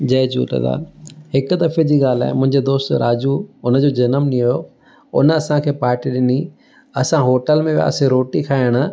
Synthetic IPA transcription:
d͡ʑɐːd͡ʑṵːt̪ɐ̰d̪a̰ːlhɪkʊd̪ɐfed͡ʑiːɠaːl̤a̰ːɦɪmʊ̃ɦɪ̃ɲd͡ʑed̪oːst̪ɾaːd͡ʑuʊnə̆d͡ʑod͡ʑɐnəmnijo | ʊ̰nəɐsãkʰeːpaːɾʈiɗɪni | ɐsãɦoːʈəlmẽba̰ːsẽɾoːʈikʰaːɪəɽ̃ʊ̆

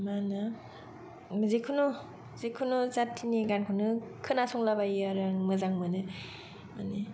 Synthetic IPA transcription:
manɯ | mzekʰɯnɔ | zekʰːunozatʰiniɡankʰɯnɯkʰɯnasɔŋlabajaɾaŋmɯzaŋmɯnɯ | ma̰ni

